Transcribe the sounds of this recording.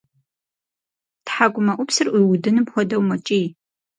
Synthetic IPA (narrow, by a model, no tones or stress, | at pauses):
tħaɡʷʊmɐʔʷʊpsɨrʔʷijwʊdɨnɨpxʷɔdɐwmɐt͡ʃʼiː